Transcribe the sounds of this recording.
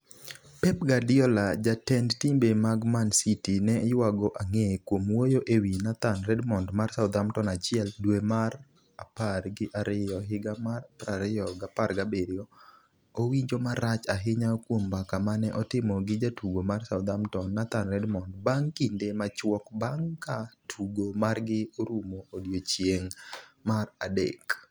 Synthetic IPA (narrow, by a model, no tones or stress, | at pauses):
pɛp̚ɡadɪɔlad͡ʒatɛndtimbemaɡmansitinɛjwaɡɔʔaŋekwomwojoʔewinat̪anrɛdmɔndmarsaʊd̪amtɔnat͡ʃɪɛldwemar | aparɡɪʔaɾɪɔɦɪɡamaraɾɪjɔɡaparɡabeɾjɔ | owiɲd͡ʒomaɾat͡ʃaɦɪɲakwombakamanɛʔɔtɪmɔɡɪd͡ʒatuɡomarsaʊd̪amtɔnːat̪anrɛdmɔndbaŋkindemat͡ʃwɔkbaŋkatʰuɡomarɡɪoɾumoːdjot͡ʃjeŋmaradḛk